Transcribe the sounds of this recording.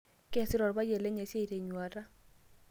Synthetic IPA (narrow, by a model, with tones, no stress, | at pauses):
ke˦˨sɪ˦ɾɔ˨ɾba˦je˨le˦ɲe˨sje˦i˨ɾe˨ɲwa˨ɾa˦